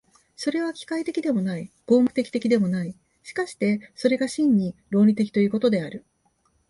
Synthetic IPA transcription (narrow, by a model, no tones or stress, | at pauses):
so̞ɾe̞β̞akʲi̥kait̪e̞kʲid̪e̞mo̞naiɡ̥o̞ːŋɯ̟̥t̪e̞kʲi̥t̪e̞kʲid̪e̞mo̞nai | ɕi̥kaɕi̥t̪e̞so̞ɾe̞ɡaɕĩɲ̟ːiɾo̞ːɾʲit̪e̞kʲi̥t̪o̞jiɯ̟ːko̞t̪o̞d̪e̞aɾɯ̟